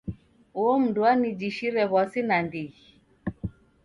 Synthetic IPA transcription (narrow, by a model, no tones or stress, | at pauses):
uɔm̩duanid͡ʒiʃiɾɛβaɔsinandii